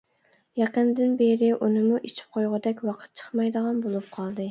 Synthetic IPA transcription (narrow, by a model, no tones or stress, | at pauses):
jɑqənd̪ɪnbeɾɪʔunɨmuʔet͡ʃʰi̥p̚qʰojʁʊd̪ɛkʲwɑqʰə̥t̪̚t͡ʃʰə̥χmɑjd̪əʁɑnbolˠup̚qʰɑlˠd̪ɨ